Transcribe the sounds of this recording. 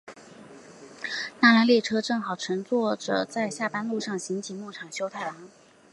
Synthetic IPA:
na˥˩la˧˥nli˥˩ʈ͡ʂʰɤ˥ʈ͡ʂɤ˥˩ŋxɑ˨˩ʊʈ͡ʂʰɤ˧˥ŋt͡swɔ˥˩ʈ͡ʂɤ̰˨˩t͡sa˥˧ɪɕja˥˩pa˥nlu˥˧ʂɑ˥˩ŋɕi˧˥ŋt͡ɕʰi˨˧˥mu˥˩ʈ͡ʂʰɑ˨˩ŋɕjo˥ʊt̪ʰa˥˩ɪlɑ˧˥ŋ

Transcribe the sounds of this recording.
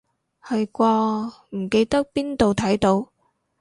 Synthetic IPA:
hɐ˧jkʷɔː˧m̩˨˩ke˧jt̪ɐ˥k̚piː˥nt̪o˨wt̪ʰɐ˨˥jt̪o˨˥w

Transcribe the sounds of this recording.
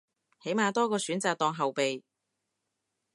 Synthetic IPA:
he˨˥jmaː˨˧t̪ɔː˥kɔː˧syː˨˥nt͡saː˨k̚t̪ɔː˧ŋɦɐ˨wpe˨j

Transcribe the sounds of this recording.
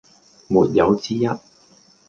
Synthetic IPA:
muː˨t̚jɐ˨˧wt͡siː˥jɐ˥t̚

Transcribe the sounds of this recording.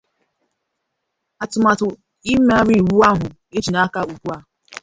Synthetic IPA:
a˨tʊ˨ma˨tʊ˨ | i˦me˦a˦ɾi˦˨ɾu˦a˦ɦʊ˨ | e˦t͡ʃi˨na˦ka˦u˨kʷu˦a˦

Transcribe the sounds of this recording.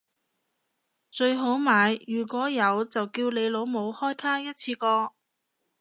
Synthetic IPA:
t͡ʃɵ˧ɥɦo˨˥wmaː˨˧jjyː˨˩kʷɔː˨˥jɐ˨˧wt͡sɐ˨wkiː˧wle˨˧jlo˨˧wmo˨˧whɔː˥jt̪ʰaː˥jɐ˥t̚t͡sʰiː˧kɔː˧

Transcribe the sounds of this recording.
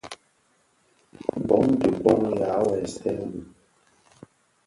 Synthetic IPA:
bɔ˨˦ŋ˦du˨bɔ˨˦ŋja˨˦wɛ˨sɛ˦wu˨

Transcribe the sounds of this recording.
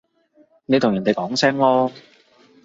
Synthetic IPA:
ne˨˧t̪ʰʊ˨˩jɐ˨˩nt̪e˨jkɔː˨˥ŋsɛː˥ŋlɔː˥

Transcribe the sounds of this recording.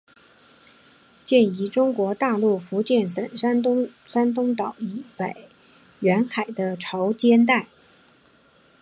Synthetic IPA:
t͡ɕjɛ˥˩ni˧˥ʈ͡ʂʊ˥ŋkwɔ˧˥t̪a˥˧lu˥˩fu˧˥t͡ɕjɛ˥˩nsə˨˩nsa˥n˥ | sa˥nt̪ʊ˥ŋt̪ɑ˨˩˦ʊi˧˨˥pe˨˩ɪ | ɥɛ˧˥nxa˨˩ɪd̪ə˦ʈ͡ʂʰɑ˧˥ʊt͡ɕjɛ˥nt̪̬a˥˩ɪ

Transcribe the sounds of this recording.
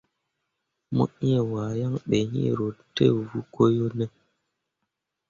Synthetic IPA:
mo̰˦i˦e˨waː˨ja˦ŋɓe˨ɲḭ̃˦ɾo˨tḛ˦vu˦ko˦jo˦nɛ˦

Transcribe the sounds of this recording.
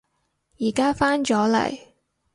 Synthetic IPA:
jiː˨˩kaː˥faː˥nt͡ʃɔː˨˥lɐ̰˨˩j

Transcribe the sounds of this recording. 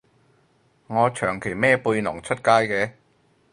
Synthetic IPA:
ŋɔː˨˧t͡ʃʰœː˨˩ŋkʰe˨˩jmɛː˥puː˧jnʊ˨˩ŋt͡ʃʰɵ˥t̚kaː˥jkɛː˧

